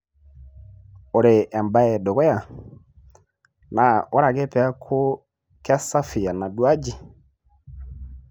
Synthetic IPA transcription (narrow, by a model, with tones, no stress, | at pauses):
o˨ɾe˨ʔa˨mba˦ɛ˨dɔ˨ɣɛ˦ja˨ | na˨o˦ɾa˨ɣe˦pɛ˨a˦kʰo˦ | ka˦sa˦fi˨a˨na˨dwa˦d͡ʒi˦